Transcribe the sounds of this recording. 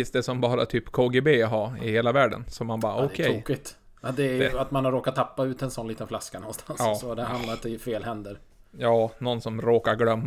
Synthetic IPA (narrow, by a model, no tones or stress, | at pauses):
ist̪d̪ɛsɔmbɑːɾa̰t̪ʰyːpkʰɑːɡebeːɦɑːɪheːlavæːɖə̰nsɔmːanbɑ̰ːɔkʰɛɾoːkɪt̪ | d̪ɛæɾjat̪manhaɾoːkat̪ʰːapːaʉ̟ːt̪ɛnsɔnliːt̪ənflaskanɔnst̪ʰansːsɔd̪ɛhand̪laɾt̪ɪfeːlhɛnd̪əɾjɑːnɔnsɔmɾoːkaɾɡlœmː